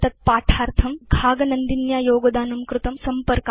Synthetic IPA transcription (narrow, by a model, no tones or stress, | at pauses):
t̪ɐt̪̚paːʈʰaːɾt̪ʰɐmɡʱaːɡnɐnd̪injaːjoːɡd̪aːnumkɾut̪ɐmsɐmpəɾk